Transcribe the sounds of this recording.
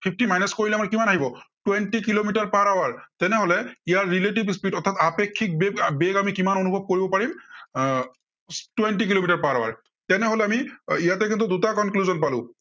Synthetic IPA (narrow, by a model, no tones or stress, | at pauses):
pʰipʰtimajnɛskoɹilɛamaɹkimanaɦibɔtwɛntikilomitaɹpaɹawaɹtɛnɛɦolɛijaɹːilet̬ibspitɔt̪ʰatapekʰːik̚bebeɡamikimanonubʱɔb̚koɹibɔpaɹim | twɛntik̬ilomitaɹpaɹawa̰ɹ | tɛnɛɦolɛamiijatɛk̬int̪̬ʊdutakɔnkluzɔnpalʊ̰̃